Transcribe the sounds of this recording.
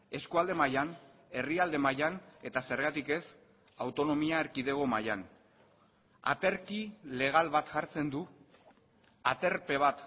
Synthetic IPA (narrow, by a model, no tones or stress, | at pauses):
e̞skuald̪e̞majane̞riald̪e̞majane̞t̪ase̞ɾɣat̪ike̞s | awt̪o̞no̞miaeɾkiðe̞ɣ̞o̞majan | a̰t̪e̞ɾkile̞ɣ̞alβat̪ʝaɾt͡se̞nd̪u | a̰t̪e̞ɾpe̞β̞at̪